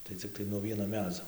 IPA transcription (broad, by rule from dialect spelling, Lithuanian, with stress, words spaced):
tɐɪ t͡sʲɪkˈtɐɪ nuɔ ˈʋʲiɛnoː ˈmʲæːd͡zoː